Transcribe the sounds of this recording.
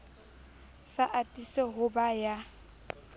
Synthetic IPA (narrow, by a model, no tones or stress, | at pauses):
saʔatʼiseɦʊbaja